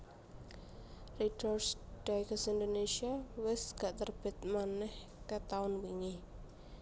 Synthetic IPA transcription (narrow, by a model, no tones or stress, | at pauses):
ridɔrsɖ̥aɡasind̪onesiawɪsɡ̥aʔt̪ərb̥ɪ̤t̪̚manɛh | kət̪aʊnwiŋi